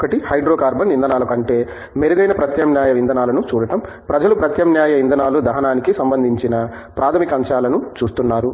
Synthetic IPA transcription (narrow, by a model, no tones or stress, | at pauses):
kɐʈihɐjɖɾoːkaːɾbɐnːind̪ʱɐnaːlɐkɐɳʈe̞ː | meɾuɡɐjnɐpɾɐt̪jɐmnjaːjɐʋind̪ʱɐnaːlɐnut͡ʃuːɽɐʈɐm | pɾɐd͡ʒɐlupɾɐt̪jɐmnjaːjɐʋind̪ʱɐnaːlud̪ɐɦɐnaːnikisɐmbɐnd̪ʱiɲt͡ʃinɐ | pɾaːt̪ʰɐmikɐmʃaːlɐnut͡ʃuːst̪unːaːɾu